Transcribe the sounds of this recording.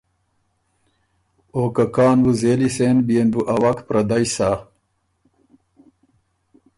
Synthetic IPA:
oːkɐkaːnwuzeːliseːnbienbuʔɐwɐkpɾɐd̪ajsa

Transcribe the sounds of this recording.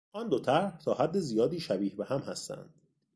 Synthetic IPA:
ʔɒːnd̪ot̪ʰæɾht̪ʰɒːhæd̪ːe̞zijɒːd̪iːʃæbiːhbehæmhæst̪æ̰nd̪̥

